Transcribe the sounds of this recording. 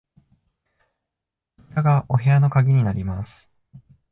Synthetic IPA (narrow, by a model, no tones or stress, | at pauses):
k̪aɡaʔo̞ɦe̞ano̞kaɡʲiɲ̟inaɾʲimasɨ̥